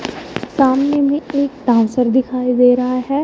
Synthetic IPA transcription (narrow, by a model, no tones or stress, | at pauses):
saːmnemẽeːk̚ɖ̪ãːʋsəɾd̪ɪkʰaːid̪eːɾɐɦaɦɛː